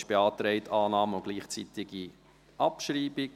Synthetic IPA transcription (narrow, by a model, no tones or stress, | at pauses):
ʃb̥eɑːtɾɛɪtʰɑːnɑːməʊɡ̥liːχt͡sit̪ɪɡ̥i | ʔɑpʃɾiːb̥ɪk